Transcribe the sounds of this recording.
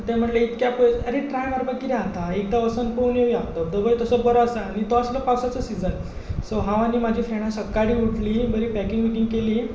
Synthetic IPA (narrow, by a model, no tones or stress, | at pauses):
t̪jam̤əʈleit̪kʲjapəjəɾeʈɾajmaɾbəkːiɾeãt̪aek̚d̪aəsənponjeʋiãd̪əd̪əbəjt̪əsəbəɾɔasəaɽ̃it̪oasləpawsat͡səsid͡zən | soɦãʋanːiːmad͡ʑʱiːfeɳ̃asəkːaɽiːuʈliːbəɾiːpækiŋɡmiʈĩŋɡkeliː